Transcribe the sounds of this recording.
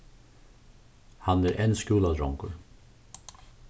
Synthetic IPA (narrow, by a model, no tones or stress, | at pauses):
hanæɾʔɛnskuːlad̪ɾɔŋkʊɹ